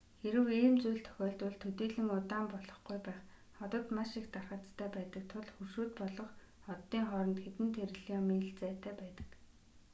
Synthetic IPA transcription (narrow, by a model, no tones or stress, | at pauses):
xeɾɘ̆weːmt͡sujɮt̪ʰœ̥xʲɔːɬt̪ʊ̆ɮt̪ʰɵt̪iːɮɘ̆ŋʊt̪aːmpɔɮɞ̥̆χɡujpæːχ | χɔt̪ɞ̆t̪maʃikt̪arχə̆t͡st̪ʰæːpæːt̪ə̆k̚t̪ʰʊɮxurʃuːt̪pɔɮɞ̆χ | ɔt̪ːiːŋχɔɾɞ̆nt̪xet̪ɘ̆nt̪ʰeɾɘ̆ɮiːɔmiːɬt͡sæːt̪ʰæːpæːt̪ə̥̆k